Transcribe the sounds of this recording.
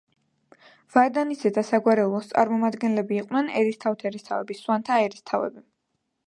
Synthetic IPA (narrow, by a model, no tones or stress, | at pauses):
vaɾd̪anisɛd̪asaɡwaɾɛulˠɔst̪sʼa̰ɾmɔmad̪ɡɛnlɛbiːqʼnɛnɛɾist̪ʰavt̪ʰaɛɾist̪ʰavɛbiswant̪ʰaːɛɾist̪ʰavɛ̰bi